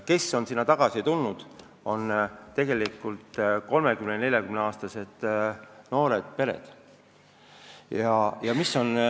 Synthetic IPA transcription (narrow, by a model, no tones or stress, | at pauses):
ke̞sːo̞nsinːɑt̪ɑɡ̥ɑsit̪ulnud̪̥ | o̞nt̪e̞ɡe̞likːult̪ːko̞lme̞kymnene̞lʲjɑkymneɑːst̪ɑse̞d̪̥no̞ːɾe̞d̪̥̚pe̞ɾe̞̰d̪̥ | jɑjɑmisːo̞n